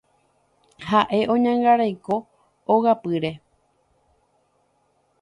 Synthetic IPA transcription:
haʔe̞ʔõ̞ɲãŋɡaɾajko̞ː | ɣapɨɾe̞

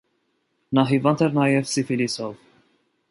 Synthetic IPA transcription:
nɑɦivɑnt̪ʰɛɾnɑjɛvsifilisɔv

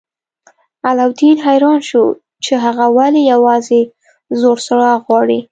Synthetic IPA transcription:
alawd̪inɦajɾɑnʃu | t͡ʃeɦaɣawalijawɑze | zoɽsaɽɑɣwɑɽi

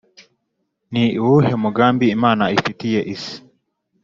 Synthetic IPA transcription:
niiwuhemuɡaːmbiːmaːnaifitijeʔisi̥

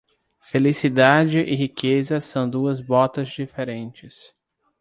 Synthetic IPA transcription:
felisid̪ad͡ʒɪʔɪɦikʰezɐsɐ̃w̃d̪uɐzbɔt̪ɐzd͡ʒifeɾẽnt͡ʃɪs

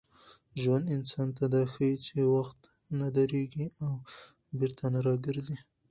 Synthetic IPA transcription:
ʒwand̪ɪnsɑnt̪ad̪ɑxajit͡ʃewaxt̪ | nad̪aɾeɡiaw | bɪɾt̪ʰanaɾɑɡɪɾzi

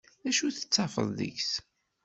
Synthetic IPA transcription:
æʃuθə̥t͡sːɑfə̰ðˤðə̰çs

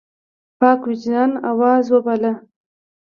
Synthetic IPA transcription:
pɑːkwɪt͡ʃnɑnawɑzwəbala

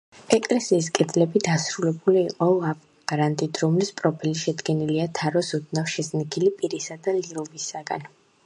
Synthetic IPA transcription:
ɛkʼlɛsiːs̬kʼɛd̪zlɛbid̪asɾulɛbuliːqʼɔap | ɡɾant̪ʼid̪ʰɾɔmlispʼɾɔpʰɛliʃɛd̪ɡɛniliat̪ʰaɾɔsɔd̪̚nafʃɛsnikʰilipʼiɾisad̪aliɾɔvisaɡa̰n

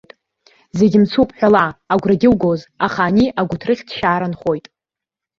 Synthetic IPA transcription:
tʼ | zeɡʲɪmt͡sʰupʼħᶣalaːɡʷraɡʲɪlɡozaχaːniʔaɡʷʊtʰrɨχʲdʃaːɾanχo̞jtʼ

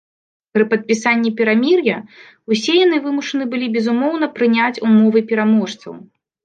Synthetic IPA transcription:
pɾɨpɐt̪̚pʲisanʲːipʲɛɾamʲirjɐ | usʲɛjanɨvɨmuʂɐnɨbɨlʲibʲɛzumɔwnɐpɾɨnʲat͡sʲumɔvɨpʲɛɾamɔʂt̪sɐ̰w

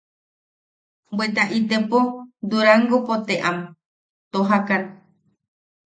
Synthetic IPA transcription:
bwet̪aʔit̪epod̪uɾaŋɡopot̪eʔãm | t̪oɦakan

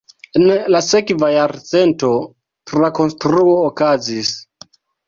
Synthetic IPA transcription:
enlase̞kvajaɾt͡se̞nto̞ | tɾako̞nstɾuoːkazis

